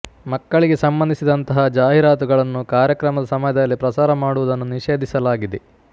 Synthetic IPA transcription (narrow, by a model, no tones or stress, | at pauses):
mɐkːɐɭiɡe̞sɐmbɐnd̪isid̪ɐnt̪ɐɦɐd͡ʒaːɦiɾaːt̪uɡɐɭɐnːukaːɾjɐkɾɐmɐd̪ɐsɐmɐjɐd̪ɐjɐlːipɾɐsaːɾɐmaːɽuʋud̪ɐnːuniʃe̞ːd̪ʱisɐlaːɡid̪e